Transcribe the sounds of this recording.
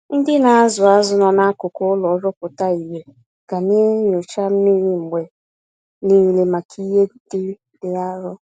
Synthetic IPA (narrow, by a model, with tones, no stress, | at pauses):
n̩˦dɪ˦na˨a˦zʊ˨a˦zʊ˨nɔ˨na˦kʊ˨kʊ˦lɔ˨˦ɾɔ˦kʊ˨ta˦i˨ɦe˨ | ɡ̥a˨ne˦ɲʊ˨t͡ʃa˦m̩˦mi˦ɾi˦ŋ͡m̩˨ɡ͡be˨ | ni˦˨le˨ma˨kʰi˦ɦe˦dɪ˦ | dɪ˦a˦ɾʊ˦